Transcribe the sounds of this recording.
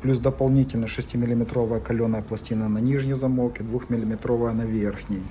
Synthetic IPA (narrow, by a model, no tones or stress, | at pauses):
plʲusd̪ɐpɐlˠnʲitʲɪlʲnəʂɨsʲtʲimʲɪlʲɪmʲɪt̪ɾo̞vəjəkɐlʲonəjəplˠɐsʲtʲinənɐnʲiʐnʲɪjzɐmokɪd̪vuxmʲɪlʲɪmʲɪt̪ɾovəjənɐvʲerxnʲɪj